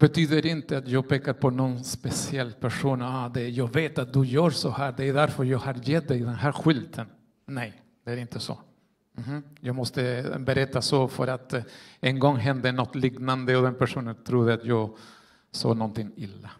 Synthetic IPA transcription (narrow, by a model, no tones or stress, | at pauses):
b̥ɛt̪ʰyːd̪əɾɪnt̪əat̪jɑːɡ̚pʰeːkaɾpʰɔnɔnspɛsɪɛlːpʰæʂuːnɑd̪ɛjɑːɡveːt̪at̪̚d̪ɵjœːɾsɔhæːd̪ɛæɾɖ̪æɾfœɾjɑːɡhɑɾjɛt̪̚d̪ɛɪd̪ɛnɦæːɾɧʏlt̪ʰən | nɛj | d̪̥ɛæɾɪnt̪ʰəso̰ | m̩h̩jɑːɡmɔst̪əbɛɾɛt̪ːasofœ̰ɾat̪ɛnɡɔŋːɦɛnd̪ənɔt̪ːliɡnand̪əɔd̪ɛnpʰæʂuːnənt̪ʰɾud̪əat̪jɑːɡ | sɑ̰ːnɔnt̪ɪŋɪlːa